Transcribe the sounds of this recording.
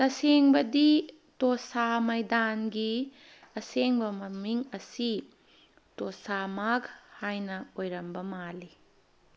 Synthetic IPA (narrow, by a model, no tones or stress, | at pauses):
tɐseŋbɐdi | tosamɐjdanɡi | ɐseŋbɐmɐmiŋɐsi | tosamaɡhajnɐojɾɐmbɐmali